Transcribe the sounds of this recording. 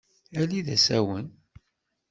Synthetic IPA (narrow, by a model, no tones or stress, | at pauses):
æliðæ̰sæwən